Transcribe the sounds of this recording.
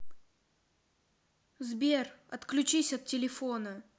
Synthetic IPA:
zbʲerɐt̪klʲʊt͡ɕisʲɐt̪̚ːʲɪlʲɪfonə

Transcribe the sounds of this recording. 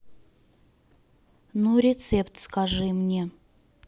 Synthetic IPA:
nuɾʲɪt̪sɛpt̪skaʐɨmnʲe

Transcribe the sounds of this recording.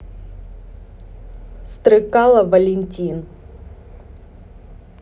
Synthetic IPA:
st̪ɾɨkalˠɐvɐlʲɪnʲtʲin

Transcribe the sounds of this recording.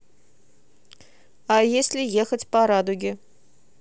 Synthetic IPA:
ɑjesʲlʲijexʲə̆tʲpɑɾɑd̪uɡʲi

